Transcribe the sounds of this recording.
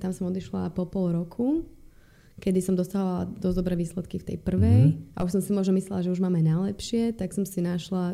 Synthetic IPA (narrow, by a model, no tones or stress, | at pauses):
t̪amsɔmɔd̪iʃla̰pɔpɔlɾɔkʰu | kɛd̪isɔmd̪ɔsaːɦɔʋalad̪ɔzd̪ɔbɾɛːʋiːslɛt̪kift̪ɛ̰jpr̩ʋɛjʔa̰ʔuʃsɔmsimʊɔʒnɔmislɛlaʒɛuʒmaːmɛnajlɛpʃɪɛt̪aksɔmsinaʃla